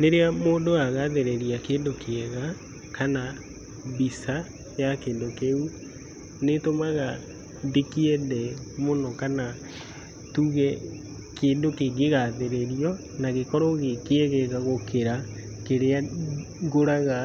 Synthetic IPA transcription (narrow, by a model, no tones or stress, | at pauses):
neɾeamoːndoaɣaðeɾeɾiakeːndokeɛɣa | kana | bisa | jakeːndokeu | netomaɣa | dekiɛðɛmonɔkana | tuɣɛ | keːndokeɡeɣaðeɾeɾiɔ | naɣekɔɾoɣekeɛɣɛɣaɣokeɾa | keɾea | ɡoɾaɣa